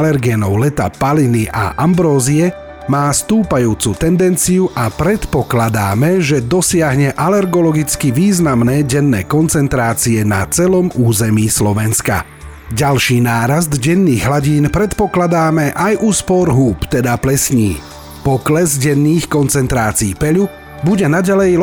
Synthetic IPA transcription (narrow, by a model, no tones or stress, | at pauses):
lɛɾɡɛnɔʊlɛt̪a̰paliniʔa̰ʔambɾɔːziɛ | maːst̪uːpajuːt͡sut̪ɛnd̪ɛnt͡siuʔapɾɛt̪pɔklad̪aːmɛʒɛd̪ɔsɪaɦɲɛʔalɛɾɡɔlɔɡit͡skiʋiːznamnɛːɟɛnːɛːkɔnt͡sɛnt̪ɾaːt͡siɛna̰t͡sɛlɔmuːzɛmiːslɔʋɛnska̰ | ɟalʃiːnaːɾazd̪ɟɛnːiːɣɦlaɟiːnpɾɛt̪pɔklad̪aːmɛʔajʔuspɔɾɦuːpt̪ɛd̪aplɛsɲḭː | pɔklɛzɟɛnːiːxkɔnt͡sɛnt̪ɾaːt͡siːpɛʎu | buɟɛnaɟalɛj